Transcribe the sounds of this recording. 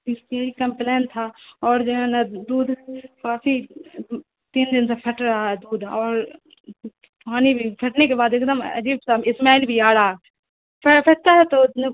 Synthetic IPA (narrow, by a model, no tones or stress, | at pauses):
ɪsiikɐmpleːnt̪ʰaɔːɾd͡ʒeãnad̪uːd̪kaːfi | t̪iːnd̪ɪnsepʰɐʈɾaɦaɦɛd̪uːd̪ɔːɾ | paːnibʱipʰɐʈnekebaːd̪ɪkd̪əmɐ̰d͡ʒiːbsaːbɪsmɛːlbʱiaːɽaːɛ | pʰpʰɐʈt̪aɦɛt̪o